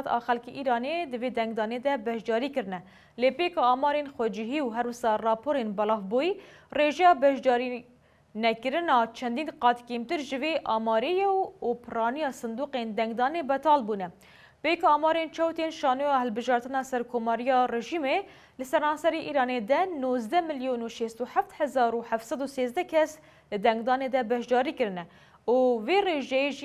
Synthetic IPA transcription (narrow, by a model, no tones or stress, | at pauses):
t̪ɑ̰ːxɛlkeʔiːɾɑːned̪ɨveːd̪ɛŋɡd̪ɑːned̪ɛbɛʃd̪ɑːɾiːkɨɾɨnɛ | leːpeːkɑɑːmɑːɾenxʷɛd͡ʒɪɦiːwɦɛɾwʊsɑːrɑːpʰoːɾenbɑlɑːvbojireʒɛjɑbɛʃd̪ɑːɾi | nɛkɨɾɨnɑːt͡ʃʰɛnd̪iːnqɑːt̪keːmt̪ɨɾʒɨveʔɑːmɑːɾejɛwupʰɨrɑːnijɑːsɨnd̪uːqend̪ɛŋɡd̪ɑːnebɛt̪ʰɑːlbuːnɛ | bekoɑːmɑːɾent͡ʃʰɛwt̪enʃɑːnujɑhɛlbɨʒɑːɾt̪ɨnɑːsɛɾkʰoːmɑːɾijɑːreʒiːme | lɨsɛɾɑːnsɛɾeʔiːɾɑːned̪ɛnoːzd̪ɛmɨljoːnuʃest̪uħaft̪hɛzɑːɾuħaft̪sɑd̪useːzd̪ɛkʰɛs | lɨd̪ɛŋɡd̪ɑːneːd̪ɛbɛʃd̪ɑːɾiːkɨɾɨnɛ | uveːreːʒɛjeʒi